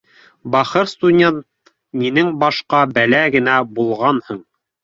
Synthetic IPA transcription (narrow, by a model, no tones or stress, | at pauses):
bɑχɤɾst̪udʲent̪̚ | minɘŋbɑʃqɑbælæɡɘ̆næbulˠʁɑnhɤɴ